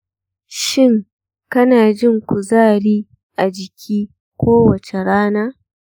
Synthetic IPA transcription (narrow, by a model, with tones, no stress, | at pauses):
ʃɪ˦ŋ | kɐ˦naː˨d͡ʒɪ˦ŋkʷu˨zaː˦˨ɽiː˦ | ʔa˨d͡ʒɪ˨kʲʰiː˦ | kʷoː˦wɐ˨t͡ʃe˨ɽaː˦naː˦